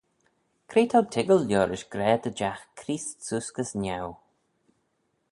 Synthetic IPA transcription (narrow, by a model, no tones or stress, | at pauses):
kʰɾeːt̪ʰawt̪ʰɪɡəlljɔːɾɪʃɡ̥ɾɛːd̪əd͡ʒaxkʰɾiːssuskəsnaw